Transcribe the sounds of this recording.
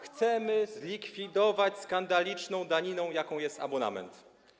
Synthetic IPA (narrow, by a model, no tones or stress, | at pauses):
xt̪sɛmɘzlʲikfʲid̪ɔvat͡ɕskand̪alʲit͡ʂnɔ̃w̃d̪aɲinɔ̃w̃jakɔ̃w̃jɛst̪a̰bɔna̰mɛ̰nt̪